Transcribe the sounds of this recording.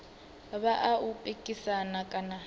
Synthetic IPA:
βaʔaupʼekʼisanakʼana

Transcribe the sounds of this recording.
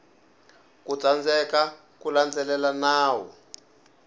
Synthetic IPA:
kut͡sand͡zɛka | kuland͡zɛlɛlanaːwɔ̰

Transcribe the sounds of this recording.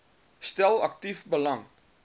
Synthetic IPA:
stɛlɐk̚tifbəlaŋ

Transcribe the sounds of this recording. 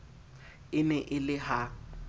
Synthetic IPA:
ɪnɛʔɪlɪɦa

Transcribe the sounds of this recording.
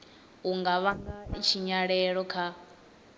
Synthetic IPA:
ɦuŋɡaβaŋɡat͡ʃʰiɲaɺɛɺɔkʰa

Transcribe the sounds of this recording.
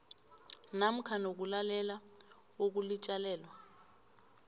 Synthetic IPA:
nam̩kʰanok̬ulalɛla | ok̬ulit͡ʃʼalɛːlwa

